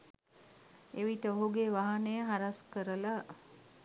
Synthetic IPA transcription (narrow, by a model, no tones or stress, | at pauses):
eʋiʈəoɦuɡeʋaɦanəjəɦaɾaskəɾəla